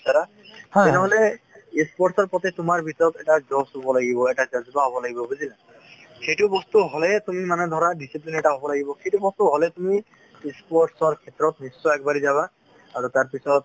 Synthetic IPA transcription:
saɾa | t̪ɛnɛɦɔlɛ | ispɔɹʈsɔɹpɔt̪et̪ʊmaɹbʱit̪ɔɹɔt̪ɛʈazɔsobɔlaɡibɔɛʈazazit̪aɦobɔlaɡibɔbuzila | xejʈubɔst̪uɦɔlɛt̪umimanɛd̪ʱɔɹaɖisiplinɛʈaɦobɔlaɡibɔxejtubɔst̪uɦɔlɛt̪umi | ispɔɹʈsɔɹkʰɛt̪ɹɔt̪̚nisːɔɛkbaɹizaβaː | ɹut̪aɹpisɔt̪̚

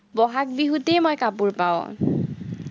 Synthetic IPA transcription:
bɔɦak̚biɦutejmɔjkapuɹpaʊ̃

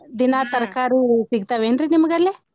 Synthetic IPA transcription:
d̪inaːt̪ɐɾɐkaːɾusiɡit̪aːʋeːɳɖɾinimɐɡɐlːi

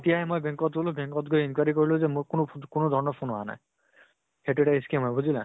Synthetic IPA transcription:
etijaɦɛmojbẽŋkɔtɡolʊbeŋkɔtɡʱoinkwaɹikoɹilʊ̃zɛmʊɹkʊnʊkʊnʊdʱɔɹɔnɔpʰunɔɦana̰j | xetueʈaiskiamɔjbuzilã

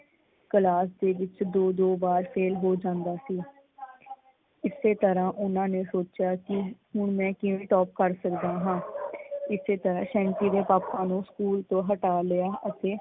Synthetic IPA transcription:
kəlaːsd̪eːʋɪt͡ʃd̪oːd̪oːbaːɾpʰeːlɦoːd͡ʒãːnd̪aːsiː | ɪseːt̪əɾãːʔʊnãːneːsoːt͡ʃjaːkɪɦʊɳmɛ̃ːkɪʋẽːʈɔːp̚kəɾsəkd̪aːɦãːɪseːt̪əɾãːʃɛ̃ːɳʈiːd̪eːpaːpãːnũːskuːlt̪õːɦəʈaːlejaːʔət̪eː

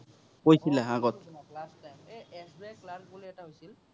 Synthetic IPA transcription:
kojsilɛaɡɔt̪ | ɦosl

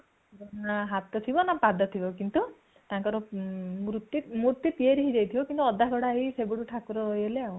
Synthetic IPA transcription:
bɔnaɦat̪ɔt̪ʰibɔnapad̪ɔt̪ʰibɔkint̪u | t̪aŋkɔɾɔmɾut̪ːimuɾt̪ːit̪ieɾiɦid͡ʒ̪ejt̪ʰibɔkint̪uɔd̪ʱakɔɽaːɦisebuɽuʈʰakuɾɔɾɔjɦeleaw̃

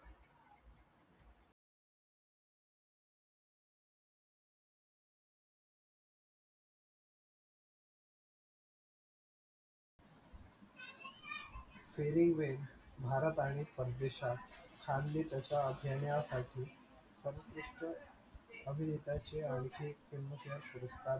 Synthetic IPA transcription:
feɾiŋɡʋenbʱaɾət̪aɽ̃ipəɾd̪eɕakʰand̪lit̪ət͡ɕaəbʱjanjasaʈʰiː | səɾək̪ɾuʂʈə | əbʱinet̪at͡ɕeəɭkʰekemːəkəpuɾəskʰa

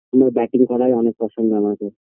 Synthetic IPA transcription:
amaɾbɛʈiŋkɔɾajɔnek̚pɾɔʃoŋɡoamake

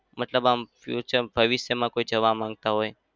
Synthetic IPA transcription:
mət̪ləbamfjṵt͡ʃəɾbʱəʋisjəmãkoid͡ʒəʋamãŋɡ̚t̪aɦoj

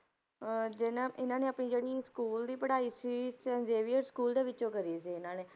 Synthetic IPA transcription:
d͡ʒɪnãʔɪnãːneːəpniːd͡ʒeːɽiːskuːld̪iːpəɽaːiːsiːsɛːnzeːʋiɔɾskuːld̪eːʋɪt͡ʃːt͡ʃõːkəɾiːsiːɪnãːneː

